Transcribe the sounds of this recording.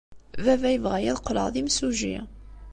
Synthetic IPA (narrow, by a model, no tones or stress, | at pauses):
vævæjəvʁæjæðqːlə̰ʁðimsuʒḭ